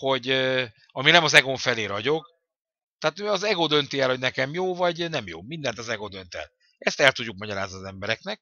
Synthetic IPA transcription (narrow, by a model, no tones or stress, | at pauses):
ho̞ɟ | ɒminɛmɒzɛɡoɱfɛleːɾɒɟo̞k | t̪ɛaːt̪øɒzɛɡod̪ø̞nt̪iɛlhonɛkɛmjoːvɒɟnɛmjo̰ːmind̪ɛnt̪ɒzɛɡod̪ønt̪ɛ̰l | ɛst̪ɛlt̪uɟːuk̚mɒɟɒɾaːzniɒzɛmbɛɾɛknɛk̚